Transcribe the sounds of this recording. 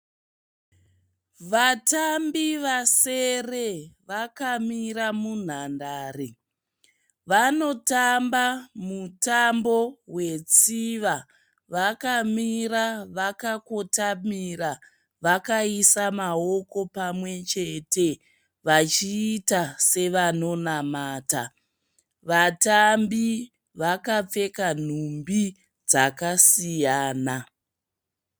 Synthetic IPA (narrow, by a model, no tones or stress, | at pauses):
ʋatambiʋase̞re̞ʋakamiramun̤andaːre | ʋano̞tambamutambo̞we̞t͡siʋa | ʋakamiraʋakakotamiɾa | ʋakaisamao̞ko̞pamwe̞t͡ʃe̞te̞ | ʋat͡ʃiːtase̞ʋano̞namaːta | ʋatambi | ʋakap͡fe̞kan̤umbi | d͡zakasijaːna